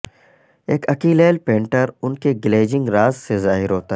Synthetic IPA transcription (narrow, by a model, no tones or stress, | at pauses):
eːkʰɐkiːleːlpẽːɳʈəɾʊnkeɡɪleːd͡ʒɪ̃ŋɡɾaːzsezaːɦɪɾɦoːt̪aɦ